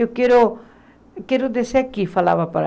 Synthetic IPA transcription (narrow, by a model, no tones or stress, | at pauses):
jokeɾo | keɾod̪esɛkifʰəla̰ːʋapəɾ